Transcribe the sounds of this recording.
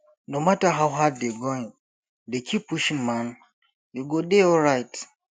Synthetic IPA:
nõmataɦawɦaddeɡõɪ̃n | dekʰipʰːuʃĩŋmãn | deɡodeɔlɹaɪt

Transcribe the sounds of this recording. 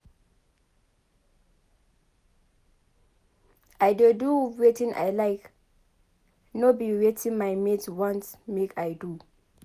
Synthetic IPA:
ajdoduwetĩnʔa̰jlaɪk | nobiwetʰĩnmajmetwɔ̃nsmekʰajdu

